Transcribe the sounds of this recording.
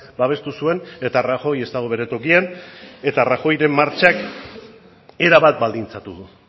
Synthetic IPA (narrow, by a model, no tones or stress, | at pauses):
baβ̞e̞st̪usue̞ne̞t̪araxo̞je̞st̪aɣ̞o̞β̞e̞ɾe̞t̪o̞kiane̞t̪araxo̞jɾe̞mːaɾt͡ʃak | e̞ɾaβat̪̚bald̪int͡sat̪uðu